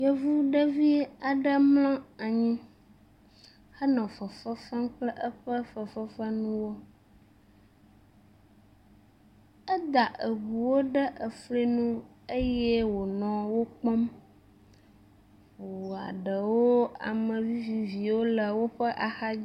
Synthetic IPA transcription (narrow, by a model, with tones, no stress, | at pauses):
jɛ˦vu˦ɖə˦vi˦a˨ɖə˦mlɔ̃˦a˨ɲĩ˦ | hə˦nɔ̃˨fə˨fə˦fɛ˦mk͡plɛ˦ʔə˦ɸə˦fə˨fə˦fə˦nũ˦wo˦ | ə˦d̪a˨ʔə˨βu˨wo˦ɖə˦ʔə˨fle˦nũ˦ | e˦jɛ˦wo˨nɔ̃˨wo˦k͡pɔ˦m | ɸu˨a̰˨ɖə˨wo˦a̰˨mə̃˨vi˦vi˨vi˨wo˦lə˨wo˦ɸə˦ʔa˨xa˦